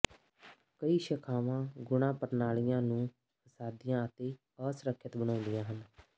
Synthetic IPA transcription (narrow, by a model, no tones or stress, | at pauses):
kəiːʃəkʰaːʋãːɡʊɽ̃ãːpəɾnaːɭɪjãːnũː | pʰəsaːd̪ijãːət̪eː | əːsɾəkʰːjət̪bənãːnd̪ɪjãːɦən